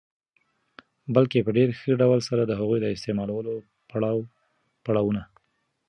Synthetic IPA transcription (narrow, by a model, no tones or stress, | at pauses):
bəlkepəɖeɾxəɖawəlsaɾad̪əɦaɣujd̪əɪst̪emɑlawəlo | paɽɑw | paɽɑwuna